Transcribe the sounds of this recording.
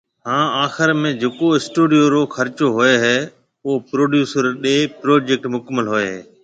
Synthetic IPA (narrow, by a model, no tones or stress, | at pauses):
hãːaːxɪɾmẽd͡ʑeːkoɪsʈuːɖijoɾoːxɐɾt͡ʃoɦʊeɦɛː | ʊɦopɾoːɖjuːsəɾɗeːpɾoːd͡ʒeːk̚ʈmʊkməlɦʊeɦeː